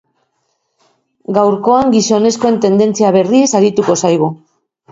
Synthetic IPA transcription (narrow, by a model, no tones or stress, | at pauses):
ɡawɾko̞aŋɡiso̞ne̞sko̞e̞nt̪e̞nd̪e̞nt͡siaβ̞e̞risaɾit̪uko̞sajɣ̞u